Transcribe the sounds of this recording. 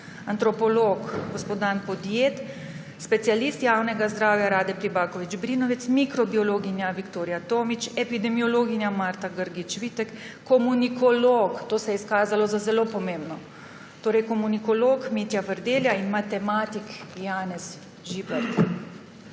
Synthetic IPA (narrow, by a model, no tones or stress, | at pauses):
ant̪ɾɔpɔloːkɡɔspot̪anpɔd̪jeːt̪ | spɛt̪sijalist̪jaːwnɛɡazd̪ɾaːwjaɾaːd̪ɛpɾibaːkɔʋid͡ʒbɾiːnɔʋɛt̪smikɾɔbiɔloːɡinjaʋikt̪oːɾijat̪oːmit͡ʃɛpid̪ɛmiɔloːɡinjamaːɾt̪aɡəɾɡit͡ʃʋiːt̪ɛkː | ɔmunikɔlokt̪oːsɛjɛiskaːzalɔzazɛloːpɔmẽmbnɔ | t̪oːɾɛjkɔmunikɔloːkmeːt̪javəɾd̪eːljainmat̪ɛmaːt̪ikjaːnɛs | ʒibɛɾt̪